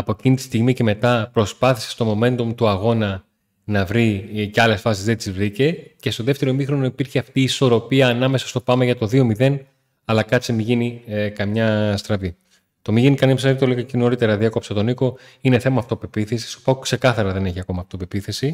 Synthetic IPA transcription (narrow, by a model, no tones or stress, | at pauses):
ɐpoecinit̪i̥st̪iɣmice̞me̞t̪ɐpɾo̞spɐθi̥sest̪o̞mo̞me̞nt̪umt̪uɐɣo̞nɐ | nɐvɾiceɐle̞sfɐsizðet̪izvɾice̞ce̞st̪o̞ðe̞ft̪e̞ɾo̞mixɾo̞noipiɾçeɐft̪iːso̞ɾo̞piɐːnɐme̞sɐst̪opɐmeʝɐt̪o̞ðio̞miðe̞n | ɐlɐkɐt͡simiʝinikɐmɲɐst̪ɾɐvi | t̪o̞miʝinikɐnimsɐit̪oliɣɐceno̞ɾit̪e̞ɾɐðiɐko̞pset̪o̞niko̞ | ine̞θe̞mɐːft̪ope̞piθesi̥st̪o̥pɐukse̞kɐθɐɾɐðe̞ne̞çiɐko̞mɐːft̪o̞pepiθe̞si